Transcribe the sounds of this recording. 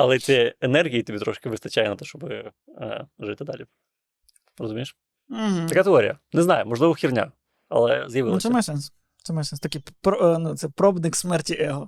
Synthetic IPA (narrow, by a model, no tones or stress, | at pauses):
ɐ̰lˠɛt̪sʲɛɛnɛrɦʲijit̪ʲibʲit̪ɾɔʃkɪʋɨst̪ɐt͡ʃajɛnɐt̪ɛʃt͡ʃɔbɪ̰ | ʐɪt̪ɪd̪a̰lʲi | rɔzʊmʲijʂ | m̩ɦ̩t̪ɐkat̪ɪoɾʲɪ̰jɐ̰nɛznajʊmɔʐlˠɪʋɔwxʲirnʲa̰ | ɐ̰lˠɛ̰zjɐʋɪlˠsɛmajsɛns | t̪sɛmajsɛnst̪ɐkʲipɾnut̪sɛpɾɔbd̪nɪksmɛrtʲiʔɛɦɔ